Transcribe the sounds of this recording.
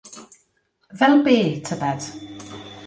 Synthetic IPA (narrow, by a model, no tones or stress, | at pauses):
vɛlˠbeːtʰəbɛd̥